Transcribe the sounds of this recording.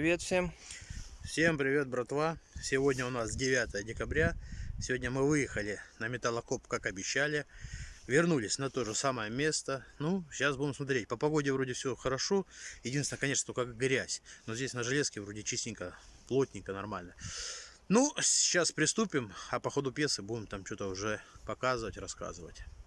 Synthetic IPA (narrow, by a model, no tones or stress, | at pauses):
ɪvʲet̪fsʲem | fsʲe̞mpɾʲɪvʲe̞t̪̚bɾɐt̪vasʲɪvo̞dʲnʲəʊnasdʲɪvʲat̪əjədʲɪkɐbɾʲasʲɪvo̞dʲnʲəmɨvɨjɪxəlʲɪnəmʲɪt̪alˠɐko̞pkakɐbʲɪɕːælʲɪvʲɪrnulʲɪsʲnɐt̪o̞ʐɨsaməjəmʲe̞st̪ənuɕːasbudʲɪmsmɐt̪ɾʲet̚ʲpəpɐɡo̞dʲɪvɾo̞dʲɪfsʲɵxəɾɐʂo̞jɪdʲinsʲnəkɐnʲe̞ʂnt̪okakɡɾʲæsʲno̞zʲesʲnəʐɨlʲeskʲɪvɾo̞dʲɪt͡ɕisʲtʲɪnʲkəplˠo̞tʲnʲɪŋʲkənɐrmalʲnə | nu̥t͡ɕːaspɾʲɪst̪upʲɪmɐpɐxo̞d̪ʊpʲje̞sɨbudʲɪmt̪amt͡ɕo̞t̪əʊʐɛpɐkazɨvətʲrɐska̰zɨvətʲ